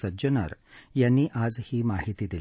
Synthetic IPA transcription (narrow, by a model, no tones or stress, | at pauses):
sɐd͡ʒɐnɐ̰ɾjɐnːiʔaːzhiːmaːɦit̪id̪il